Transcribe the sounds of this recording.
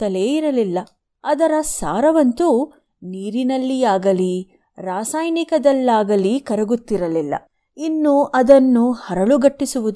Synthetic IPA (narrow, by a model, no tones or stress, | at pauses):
t̪ɐle̞ːiɾɐlilːɐ | ɐd̪ɐɾɐsa̰ːɾɐʋɐnt̪u | niːɾinɐlːiaːɡɐli | ɾaːsaːjnikɐd̪ɐlːaːɡɐlikɐɾɐɡut̪ːiɾɐlilːɐ̰ | inːuʔɐd̪ɐnːuhɐɾɐɭuɡɐʈːisuʋud̪u